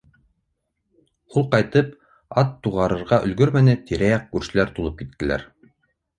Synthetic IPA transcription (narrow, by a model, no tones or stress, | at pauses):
ulˠqɑjt̪ɤp | ɑt̪ːuʁɑɾɤ̆ɾʁɑʔɵ̆lɡɵɾmænɘt̪iɾæjɑq̚kʉɾʃɘ̆læɾt̪ulˠɤp̚kit̪ːɘ̆læ̰ɾ